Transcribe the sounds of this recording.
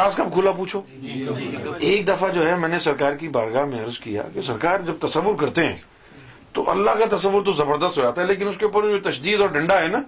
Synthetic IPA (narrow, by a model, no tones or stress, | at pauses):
aːskab̚kʰuːlapuːt͡ʃʰoː | eːk̚d̪ɐfad͡ʒoːɦɛmɛ̃ːnesɐɾkaːɾkibaːɾɡaːɦmẽɐɾzkija̰kesɐɾkaːɾd͡ʒɐb̚t̪ɐsəʋːʊɾkɐɾt̪eɦɛ̰̃ː | t̪o̰ʔɐ̰lːaɦkat̪ɐsəʋːʊɾt̪̬ozɐbəɾd̪əst̪ɦoːd͡ʒaːt̪aɦɛleːk̬ɪnʊskeupəɾot̪ɐʃd̪iːd̪ɔːɾɖɐ̃ɳɖaɦɛːna